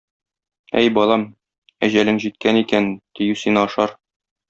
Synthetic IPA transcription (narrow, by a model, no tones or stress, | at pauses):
æ̰jbɒlˠɑm | æʑælɘŋʑit̪̚kænikænt̪ijʉsinɒʃɑɾ